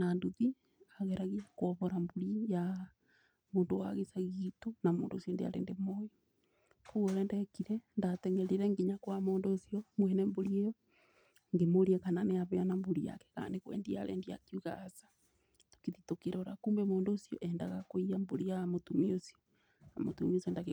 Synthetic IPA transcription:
nanduði | aɣɛɾaɣiakwɔβɔɾambuɾija | moːndowa̰ɣesaɣitonamo̰ːndo̰sijondḛa̰ɾḛːndemojɔ | kuɣoɾɛndɛkiɾɛndatɛŋɛɾiɾɛŋɡiɲakwamoːndoːsiɔmwɛnɛmboɾiejo | ŋɡemoɾiekananeaβeanambuɾija̰kɛ̥ka̰ːndekwɛ̰ːndia̰ɾḛndia̰kiuɣaːsḁ | to̥kiðitokeɾooɾa̰kuːmbɛmoːndoːsioʔɛnda̰ɣakoiamboɾijamotumiosjo | amo̰tṵmiosiɔndaɣ

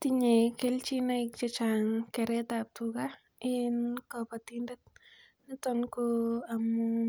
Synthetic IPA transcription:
tiɲekelt͡ʃinaɪk̚t͡ʃɔt͡ʃaŋkɛɾɛtap̚tuka | ɪnkɔpat̪indɛt | nɪtɔnkoamu

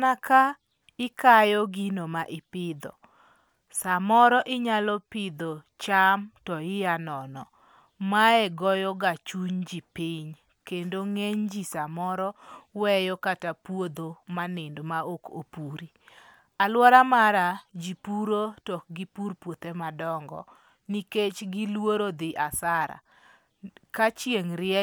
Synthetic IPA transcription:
naka | ɪkajɔɡinomaʔɪpɪd̪ɔ̰ | samɔɾɔʔɪɲalɔpɪd̪ɔ | t͡ʃamtɔɪjanɔnɔ | maɛɡɔjɔɡat͡ʃuɲd͡ʒipɪɲ | kendoŋeɲd͡ʒisamɔɾɔwɛjɔkatapwod̪omanɪndmaoko̰puɾi | alwɔɾamaɾad͡ʒipuɾotɔk̚ɡipuɾpwot̪emadɔŋɡɔ̰ | niket͡ʃɡilwoɾod̪ɪʔasaɾa̰ | kat͡ʃjeŋɾɪɛ

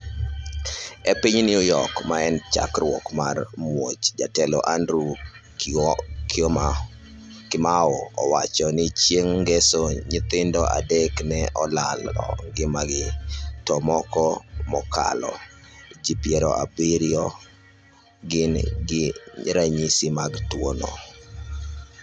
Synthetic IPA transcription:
ɛpɪɲnɪojɔkmaɛnt͡ʃa̰krwɔkmarmwot͡ʃd͡ʒatɛlɔʔandɾu | kʰɪm | kɪmaɔɔ̰wat͡ʃɔnɪt͡ʃjeŋɡɛsoɲɪt̪ɪndɔʔa̰dɛknɛʔɔlalɔ̰ɡɪmaɡɪtɔmɔkɔmɔka̰lɔ̰d͡ʒipjɛɾɔ̰ʔabiɾjɔ | ɡɪnɡɪɾaɲisimaɡtwonɔ̰

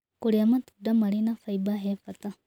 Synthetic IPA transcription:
kuɽiɐmɐt̪u̥ɖːɐmɐɽinɐfɐjbaɦeːfɐt̪ɐ

